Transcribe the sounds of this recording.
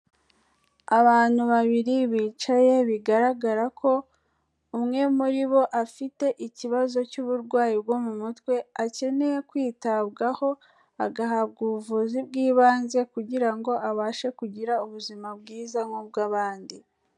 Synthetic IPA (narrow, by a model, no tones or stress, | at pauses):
aβaːn̥huβaβiɾiβiːt͡ʃaje̞βiɡaɾaɡaɾakʰo̞ | umŋe̞muɾiβo̞ʔafite̞ʔiciβazo̞cuβuɾɡwaːjibɡo̞mumutkwe̞ace̞ne̞je̞kwiːtabɡaho̞ | aɡaɦabɡuβuvuzibɡiːβaːnze̞kuɟiɾaŋɡo̞ʔaβaːʃekuɟiɾauβuzimabɡiːzamŋub̚ɡaːβaːndi